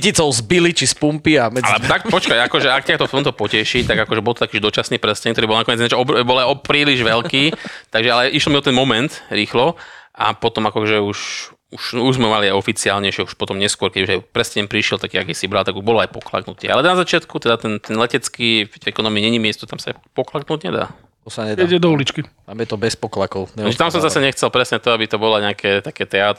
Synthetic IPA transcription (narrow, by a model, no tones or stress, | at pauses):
cit͡sɔʊzbilit͡ʃispumpiamɛa̰lɛt̪akpɔt͡ʃkajakɔʒd͡ʒɛakcakt̪ɔft̪ɔmt̪ɔpɔcɛʃict̪aɡakɔʒɛbɔlˠt̪ɔt̪akiːʒɛd̪ɔt͡ʃasniːpɾɛscaɛɲkt̪ɔɾibɔlnakɔɲɛd͡zɛnat͡ʃɛɔbbɔlaɔpɾiːliʒʋɛlkiːt̪aɡʒɛalɛʔiʃlɔmiɔt̪ɛnmɔmɛnt̪ɾiːxlɔʔa̰pɔt̪ɔmakɔʒɛuʃ | uʃuʒzmɛmaliajɔfit͡siaːlɲɛʃɛuʃpɔt̪ɔmɲɛskwɔɾkɛɟuʒajpɾɛsɲɛɛnpɾiʃɪɛlt̪akiːaɡɛsibɾalt̪aɡuʒbɔlɔajpɔkla̰knucɪɛ̰alɛd̪nazat͡ʃɪat̪kut̪ɛd̪at̪ɛnt̪ɛnlɛcɛt͡skiːvɛkɔnɔmiɲɛɲimɪɛst̪ɔt̪amsapɔklaknuːɟɲɛd̪a̰ː | t̪ɔsaɲɛd̪ɛɛd̪ɔulit͡ʃkit̪amjɛt̪ɔbɛspɔklakɔʊɲɛaʒɛt̪amsɔmzasɛɲɛxt͡sɛlpɾɛsɲɛt̪ɔabit̪ɔbɔlaɲɛakʰɛːt̪akɛːt̪ɛaːt̪